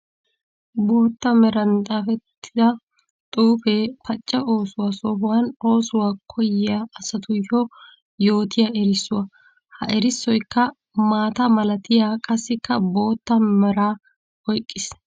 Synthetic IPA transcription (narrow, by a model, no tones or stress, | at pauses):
buːt̪ːɐmɛɾɐnt̪ʼaːfɛt̪ʰːɪd̪ɐ | t̪ʼuːfeːpɐt͡ʃʼːɛʔo̞ːsʊwasoːbʊwɐno̞ːsʊwaːkʰɔjɪjaːsɐt̪ʊjɔ | jo̞ːt̪ʰɪjaɛɾɪsːʊwɐ | hɐ̰ʔɛɾɪsːɔjkːɐ | maːt̪ɐmɐlɐt̪ɪjaːkʼɐsːɪkːɐbo̞ːt̪ːɐmɛɾaː | hɔjkʼːɪs